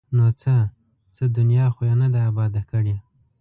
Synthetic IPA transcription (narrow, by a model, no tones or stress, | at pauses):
not͡sə | t͡səd̪ʊnjɑxojanad̪aːbɑd̪akəɽje